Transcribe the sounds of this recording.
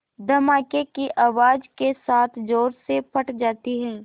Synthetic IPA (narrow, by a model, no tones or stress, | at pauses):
d̪ʱɐmaːkekiʔaːʋaːd͡ʒkesaːt̪ʰd͡ʒoːɾsepʰɐʈd͡ʒaːt̪iɦɛː